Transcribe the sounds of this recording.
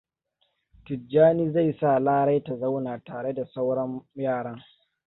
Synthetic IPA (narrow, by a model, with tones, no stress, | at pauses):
tʊ˨d͡ʒaː˦niː˦za˦˨jsa˦˨laː˦ɽa˦jta˨za˦wnaː˨taː˨ɽe˦da˨sa˦wɽɐ˦mjaː˦˨ɽɐ˦ŋ